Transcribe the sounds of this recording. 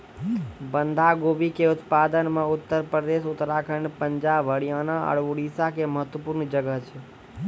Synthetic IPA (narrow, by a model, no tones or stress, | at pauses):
bənd̪ʱaɡobikeut̪pad̪ənmeʊt̪ːəɾpɾəd̪esut̪ɾakʰənpəɲd͡ʒabʱəɽijanaə̰ɽuɽisakeməɦət̪wəpuɾnd͡ʒəɡəɦt͡ʃʰe